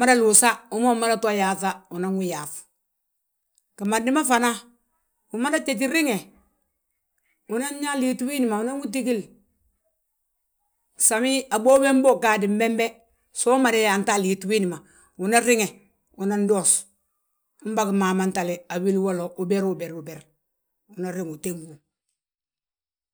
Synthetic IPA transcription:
ma˦da˦lu˨sa˦ʊ˦ma˦u˦ma˦da˦to˦ja˨sa˦u˨na˦nwi˦ja˨f | ka˨ma˨dɪ˦ma˦fa˨na˦ | wu˨ma˦da˦t͡ʃe˨t̬i˦ɾɪ˦ŋɛ˨ | u˨na˦n˦ɲa˦li˨tu˦wi˦nɪ˨ma˨u˨˦na˦n˦wu˦t̬i˦ki˦l | sa˨mi˦a˨bo˦bɛ˦m˦bɔ˦kaː˦dɪ˨m˦bɛ˦mbɛ˦ | sɔ˦ma˨dɛ˦ja˨nta˦li˨twi˦nɪ˨ma˨ | wu˨na˦ɾɪ˦ŋɛ˨ | u˨na˦n˦dɔ˦˨s | u˦mba˦˨ki˨ma˨ma˦nta˨lɛ˨a˨wi˦lwɔ˦lɔ˨ʔu˨bɛ˦ɾu˦bɛ˨ɾu˨bɛ˨ɾ | u˨na˦ɾɪ˦ŋu˨te˦mbu˦˨

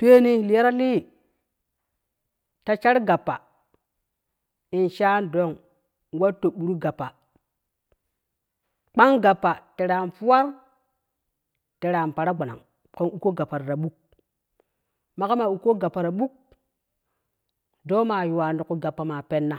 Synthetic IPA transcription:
pe˦ni˦li˨˦a˦ɾa˦li˦˨ | ta˨t͡ʃa˦ɾɡa˨pːa̰˨ | i˨nʃa˦ndo˦˨ŋ | wa˦tːo˨ɓu˨ɾu˦ɡa˨pːa˨ | k͡pa˦ŋɡa˨pːa˨te˨ɾa˨nfu˦wa˦ɾ | te˨ɾa˨npa˨ɾa˦ɡ͡ba˨na̰˨ŋ | ko˦nu˨ko˦ɡa˨pːa˨ɾɾa˨ɓu˦k̚ | ma˨ka˦ma˨u˨ko˦ɡa˨pːa˨ɾa˨ɓu˦k̚ | do˦ma˨ju˨wa˨ndu˨ku˦ɡa˨pːa˨ma˨pe˦nːa˦˨

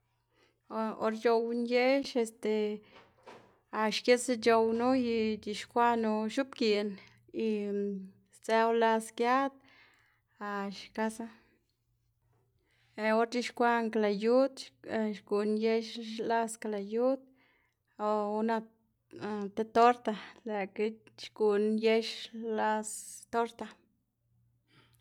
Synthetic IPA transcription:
o̰˧ɾt͡ʃo˧wnje˦ʃe˧st̪e˧ | a˧ʃkje˦se˧t͡ʃo˧wnu˦ji˧di˧ʃkʷa˦nu˧ʃu˦pki˨n | i˧ | t͡se˧o˧˦la˧skja˦d̪ | a˧ʃka˦sa˦ | e˧o˦ɾt͡ʃi˧ʃkʷa˦ŋkla˨ju˦d̪ʃɡu˨nje˦ʃla˦skla˨ju˦d̪̚ | o˧u˧˦na˧ | t̪e˧t̪o˦ɾt̪a˧le˨ke˦ʃɡ̥u˨nje˦ʃla˧st̪o˦ɾt̪a˧

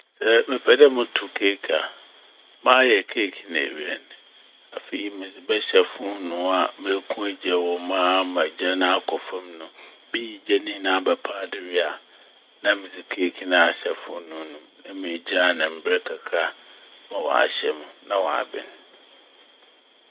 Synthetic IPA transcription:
sɛ˦mɪ̃˨pʰɛ˨dɛ˦mʊ̃˦tʰʊ˨kʰe˦kʰa˨ | mã˦jɛ˨kʰe˦kʰi˨˦nã˨ɥi˦ɛ̰˨n˨ | a˨fe˨i˨mɪ̃˨zɪ˨bɛ˦ɕɛ˦fʊ̃˦nʊ̃˦a˨mɪ̃˦kʰũ˦e˦d͡ʑɛ˨wɔ˨mã˦m˨ã˨d͡ʑa˦nã˦a˦kʰɔ˨fã˦mnʊ̃˨bi˦ji˦d͡ʑɛ˦nĩ˦nã˦bɛ˦pʰaː˦dɪ˦˨ɥɪ˦a˨ | nã˦mɪ̃˨d͡zɪ˨kʰe˦˨kʰi˦nã˦˨a˨ɕɛ˨fʊ̃˦nʊ̃˦nʊ̃˨mnã˦mɪ̃˨d͡ʑa˦˨nã˨m̩˦bɾɛ˦kʰa˨kʰa˦mã˨wɔ̰˨a̰˨ɕɛ˦mʊ̃˨nã˦wɔ˨a̰˨bɪ̰̃˦˨n

